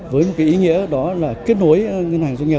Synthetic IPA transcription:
vəː˨˦jmo˨˩k̚kaː˧˩ʔi˨˦ŋḭ˧˥əɗɔ˨˦laː˨˩ke˦˥ət̚no˨˦əjŋə˧nhaː˨˩ŋzaː˧ŋɲə˨˩

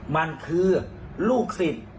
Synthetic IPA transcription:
ma˧nkʰɯː˧ | luː˥˩k̚si˨˩t̪̚

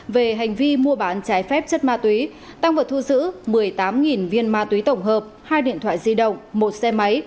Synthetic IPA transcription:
ve˨˩ɦa˨˩jŋ̟vi˧mu˧əɓaː˨˦nt͡ɕaː˨˦jfɛ˦˥p̚t͡ɕə˦˥t̚maː˧t̪wi˨˦ | t̪a˧ŋvaː˨˩t̪ʰzɨ̰˧˥mɨ˨˩əjt̪aː˨˦mŋi˨˩nvi˧ənmaː˧t̪wi˨˦t̪ə˧˩wŋ͡mɦəː˨˩p̚haː˧jɗḭ˧˨ənt̪ʰwa̰ː˧˨jzi˧ɗə̰˧˨wŋ͡mmo˨˩t̚sɛ˧ma˨˦j

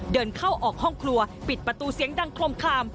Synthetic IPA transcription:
dɤː˧nkʰa˥˩wʔɔː˨˩k̚hɔ˥˩ŋkʰlu˧ɐpi˨˩t̪̚pɾa˧t̪uː˧si˨˩˦əŋda˧ŋkʰlo˧mkʰlaː˧m

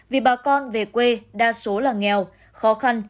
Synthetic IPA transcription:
vi˨˩ɓaː˨˩kɔ˧nve˨˩kwe˧ɗaː˧so˨˦laː˨˩ŋɛ˧˨˩w | xɔ˨˦xa˧n

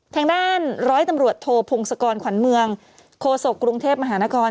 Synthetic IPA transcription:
t̪ʰɛː˧ŋdaː˥˩nɾɔː˦˥jt̪a˧mɾu˨˩ət̪ʰoː˧pʰo˧ŋsa˧kɔː˧nkʰwa˩˦nmɯ˧əŋ | kʰoː˧so˨˩kːɾu˧ŋt̪ʰeː˥˩p̚ma˧ɦaː˩˦naː˦˥kʰɔː˧n

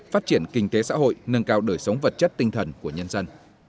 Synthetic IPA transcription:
faː˦˥t̚t͡ɕi˧˩ənkï˧ŋ̟t̪e˨˦sa̰ː˧˥ɦo̰˧˨jnə˧nkaː˧wɗəː˧˩jsə˨˦wŋ͡mvə˨˩t̚t͡ɕə˦˥t̚t̪ï˧ŋt̪ʰə˨˩nku˧˩əɲə˧nzə˧n

